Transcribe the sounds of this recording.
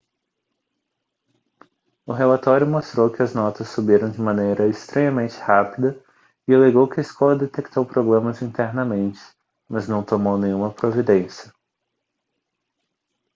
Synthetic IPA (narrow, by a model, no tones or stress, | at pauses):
ʊɦelat̪ɔɾjʊmost̪ɾowkɪɐznɔt̪ɐsːubiɾɐ̃w̃d͡ʒɪmɐ̃nejɾɐɪst̪ɾẽɲɐmẽnt͡ʃɪ̥hapid̪ɐ | ɪaleɡowkɪɐɪskɔlɐd̪et̪ek̚t̪owpɾoblẽmɐzĩnt̪eɾnɐmẽnt͡ʃɪ̥ | mɐznɐ̃w̃t̪omownẽɲ̃ũmɐpɾovid̪ẽsjɐ